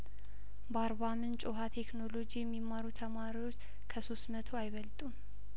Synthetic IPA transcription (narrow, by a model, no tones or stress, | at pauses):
baɾβamɨnt͡ʃʼoɦat̪ʰe̞kno̞lo̞d͡ʒijɛmːimːaɾut̪ʰəmaɾiwo̞t͡ʃː | kʰəso̞st̪mət̪ʰoajβəlt̪ʼum